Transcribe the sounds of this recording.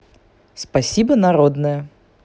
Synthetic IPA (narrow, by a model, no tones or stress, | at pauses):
spɐsʲibənɐɾod̪nəjə